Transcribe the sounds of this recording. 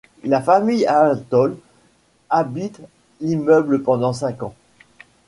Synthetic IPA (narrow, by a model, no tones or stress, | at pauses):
lafamijat̪ɔl | abit̪ | limœbləpɑ̃d̪ɑ̃sɛ̃kɑ̃